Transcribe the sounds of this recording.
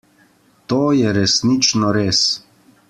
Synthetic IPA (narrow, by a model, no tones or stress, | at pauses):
t̪oːjɛɾɛsnit͡ʃnɔɾeːs